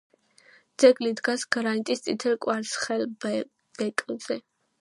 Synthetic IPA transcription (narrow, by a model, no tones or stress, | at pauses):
d̪z̥ɛɡlid̪ɡasɡ̥ɾaint̪ʼist̪sʼit̪ʰɛlkʼwaɾsχɛl | b̥ɛt̪ʼlz̥ɛ